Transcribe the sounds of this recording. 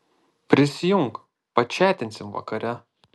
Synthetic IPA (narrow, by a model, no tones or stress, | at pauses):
pʲɾʲɪsʲɪjʊŋk | pɐt͡ʃʲæːt̪ʲɪnʲsʲɪmʋɐ̰kɐɾʲɛ